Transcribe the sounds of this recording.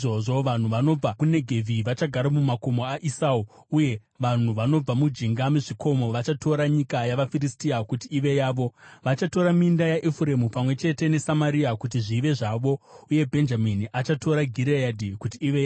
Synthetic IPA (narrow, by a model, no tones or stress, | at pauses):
oʐo̞ʋan̤uʋano̞b͡vakune̞ɡʱe̞vʱiʋat͡ʃaɡʱaɾamumako̞moaʔisau | uje̞ | ʋan̤uʋano̞b͡vamud͡ʒiŋɡamuʐiko̞mo̞ʋat͡ʃatʰo̞ɾaɲikajaʋafiristiakutiːʋe̞jaːʋo̞ʋat͡ʃato̞ɾamindajaʔefuɾe̞mupamwe̞t͡ʃe̞te̞ne̞samaɾiakutiʐiʋe̞ʐaʋo̞uje̞bʱe̞nd͡ʒaminiʔat͡ʃatʰo̞ɾaɡʱiɾeadʱikutiːʋeja